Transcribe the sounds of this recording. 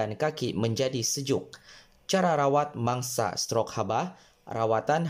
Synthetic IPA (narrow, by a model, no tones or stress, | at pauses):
ankakiməɲd͡ʒadisəd͡ʒʊk̚ | t͡ʃaɾaɾawat̪̚maŋsa̰st̪ɾɔk̚haba | ra̰wat̪an